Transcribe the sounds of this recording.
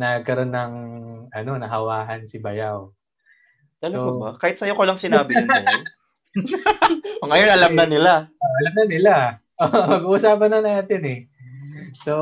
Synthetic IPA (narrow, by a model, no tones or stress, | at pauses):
nɐɡkɐɾo̞nːɐŋʔɐno̞nɐɦɐwaːɦɐnsɪbɐjaw | t̪ɐloɡoakaːhɪt̪̚sɐjokolɐŋsɪnaːbɪɪ | oŋɐjo̞nʔɐlamnɐnɪlaoʔɐlɐmnɐnɪla | ʔomɐɡuːʔusaːpɐnɐnaːt̪ɪnɛ | so̞